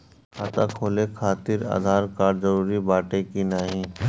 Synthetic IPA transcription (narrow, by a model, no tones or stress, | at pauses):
kaːt̪akʰoːlekʰaːt̪ɪɾa̰ːd̪ʱaːɾkaːɾzɐɾuːɾibaːʈekinaːɦĩː